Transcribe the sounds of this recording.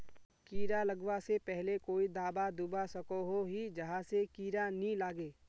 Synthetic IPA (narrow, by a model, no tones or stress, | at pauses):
kiːɾalɐɡwasepɛɦlekoːid̪aːbad̪ʊbasɐkoɦoɦid͡ʒɐɦãsekiːɾanĩlaːɡeː